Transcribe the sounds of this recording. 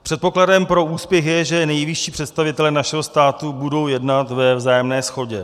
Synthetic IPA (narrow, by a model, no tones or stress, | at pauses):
pr̥ɛt̪̚po̞kladɛmpɾo̞ʔuːspjɛxjɛʒɛnɛjvɪʃiːpr̝̥ɛt̪st̪avɪt̪ɛlɛːnaʃɛɦo̞st̪aːt̪ubudo̞wjɛdnat̪vɛvzaːjɛmnɛːsxo̞ɟɛ